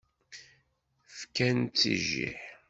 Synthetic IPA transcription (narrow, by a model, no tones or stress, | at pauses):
fkænt͡sːḭʒḭħ